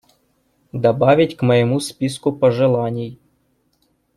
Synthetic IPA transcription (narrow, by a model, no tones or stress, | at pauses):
d̪ɐbɑʋʲɪtʲkmɔjemuspʲiskʊpɔʒɪlˠɑnʲij